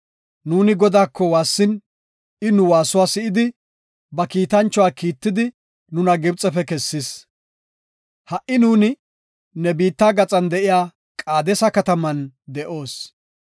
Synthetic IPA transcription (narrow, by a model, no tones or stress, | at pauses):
nuːnɪɡɔd̪aːkːɔwaːsːɪn | ɪnʊwaːsʊwaːsɪʔɪd̪ɪ | bɐkiːt̪ɐnt͡ʃːɔwaːkiːt̪ːɪd̪ɪ | nʊnɐɡɪbt͡sʼɛfɛkɛsːɪs | hɐʔɪnuːnɪ | nɛbiːt̪ːaːɡɐt͡sʼɐnd̪ɛʔɪjaː | kʼaːd̪ɛsɐkɐt̪ɐmɐnd̪ɛʔo̞ːs